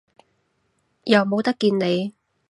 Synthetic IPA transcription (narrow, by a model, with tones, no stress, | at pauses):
jɐ˨˩wmo˨˧wt̪ɐ˥kːiː˧nne˨˧j